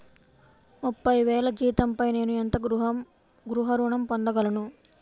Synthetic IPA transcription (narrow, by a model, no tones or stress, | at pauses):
mupːɐjʋɛːlɐd͡ʒiːt̪ɐmpɐjne̞ːnuent̪ɐɡɾuɦ | ɡɾuɦɐɾuːɳɐmpond̪ɐɡɐlɐnu